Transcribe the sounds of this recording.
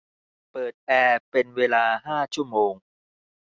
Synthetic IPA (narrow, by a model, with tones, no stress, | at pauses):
pɤː˨˩t̪̚ʔɛː˧pe˧nweː˧laː˧ɦaː˥˩t͡ɕʰu˥˩əmoː˧ŋ